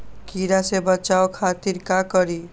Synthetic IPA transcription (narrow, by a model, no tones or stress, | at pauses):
kiɾasebət͡ʃaokʰat̪iɾkakəɾi